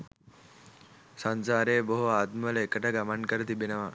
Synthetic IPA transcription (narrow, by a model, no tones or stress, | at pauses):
sansaːɾeːboɦuaːt̪mɐlɐekəʈəɡɐmɐnkɐɾɐt̪ibenɐʋɐ